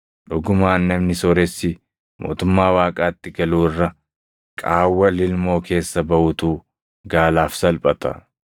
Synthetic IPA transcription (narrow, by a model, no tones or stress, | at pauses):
ᶑʊɡʊmaːnːɐmnɪsɔɾɛsːɪ | mʔo̞̰ːt̪ʊmːaːwaːkʼaːt̪ːɪɡɐluːɪrːɐ | kʼaːwːɐlɪlmo̞ːkʰe̞ːsːɐbɐʔʊt̪uː | ɡaːlaːfsɐlpʼɐt̪ɐ̰